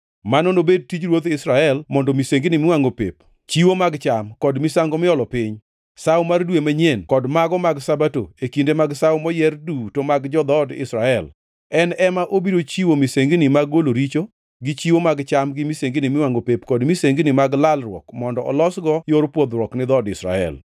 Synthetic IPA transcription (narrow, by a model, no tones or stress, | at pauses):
manonobed̚tid͡ʒɾwot̪ɪsɾaɛlmɔndɔmiseŋɡɪnɪmɪwaŋɡopḛp | t͡ʃiwomaɡt͡ʃamkɔdmisaŋɡɔmɪɔlɔpɪɲ | sawmardwemaɲjenkɔdmaɡɔmaɡsabato̰ekindemaɡsawmɔjɛrdutomaɡd͡ʒɔd̪ɔdɪ̰sɾaɛl | ɛnɛmaʔobiɾot͡ʃiwomiseŋɡnɪmaɡoloɾit͡ʃo | ɡɪt͡ʃiwomaɡt͡ʃamɡɪmiseŋɡinɪmɪwaŋopepkɔdmiseŋɡnɪmaɡlalɾwɔ̰kmɔndɔʔɔ̰lɔsɡɔjoɾpwod̪ɾwɔknɪd̪ɔdɪsɾa̰ɛ̰l